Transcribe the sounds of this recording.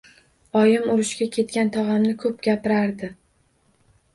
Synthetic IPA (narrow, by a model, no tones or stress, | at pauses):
ɒjɪmʊɾʊʃkʲakʲʰe̞t̪̚kʲant̪ʰɒʁɑmnɪkʰɵpɡʲapɪɾaɾd̪ɪ